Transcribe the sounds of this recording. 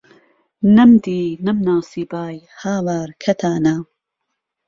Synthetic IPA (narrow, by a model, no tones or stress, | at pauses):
nɐmd̪iːnɐmnaːsiːbaːj | haːwaːɾkʰɐt̪ʰaːna